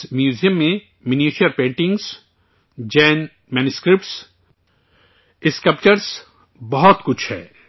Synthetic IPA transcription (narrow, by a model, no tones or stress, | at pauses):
mjuːzijə̃mːẽ | mɪniːʃiəɾpẽːɳʈɪ̃ŋɡz | d͡ʒɛːn | mɛːnuskɾɪp̚ʈs | ɪskəp̚t͡ʃəɾs | bɐɦɔt̪kʊt͡ʃʰhɛ̰ː